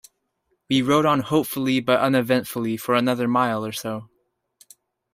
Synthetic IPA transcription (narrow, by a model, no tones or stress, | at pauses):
wiɹoʊɾn̩hoʊpfl̩ˠibʌɾʌ̃nɨvɛ̃ntfl̩ˠifə˞ɨnʌðə˞maɪlˠə˞soʊ